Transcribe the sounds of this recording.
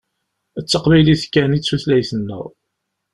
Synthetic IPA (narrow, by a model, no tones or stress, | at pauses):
ət͡sːəqbiliθkːænit͡sːuθlæjθənːə̰ʁ